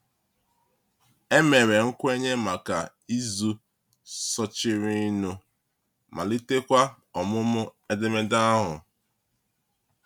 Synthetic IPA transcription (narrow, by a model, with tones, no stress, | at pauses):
e˦me˨ɾe˨ŋ̩˦kʷʊ˦e˦ɲe˦ma˨ka˨ | i˦zu˦ | sɔ˨t͡ʃɪ˨ɾi˦nu˦ | mʔa̰˨li˦te˦kʷa˦ | ɔ˨mʊ˦mʊ˦e˦de˦me˦da˦ɦʊ̰˨